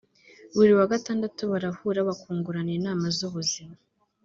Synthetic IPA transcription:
βuɾiwaɡataːndatuβaɾahuːɾaβakuːŋɡuɾaniinaːmazuβuzima

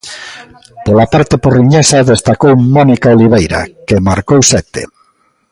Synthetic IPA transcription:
polapaɾt̪eporiɲesaðest̪akowmɔnikaoliβ̞ejɾa̰kemaɾkowsɛt̪ḛ

